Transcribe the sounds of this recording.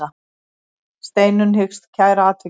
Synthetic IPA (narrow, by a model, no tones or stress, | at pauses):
a | st̪eːjnʏnɦʏkst̪cʰaːjɾaːt̪ʰvɪ